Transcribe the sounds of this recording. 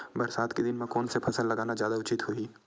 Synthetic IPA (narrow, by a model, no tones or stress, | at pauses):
bɐɾsaːt̪kid̪ɪnmẽkɔːnsepʰɐsə̃nlɐɡaːnazjaːd̪aʊt͡ʃɪt̪hʊiː